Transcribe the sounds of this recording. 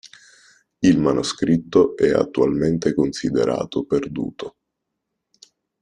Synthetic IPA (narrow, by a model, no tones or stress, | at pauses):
ilmanʔoskɾit̪ːoʔɛa̰t̪ːualment̪ekonsid̪ḛɾʔa̰ːt̪operd̪ṵːt̪o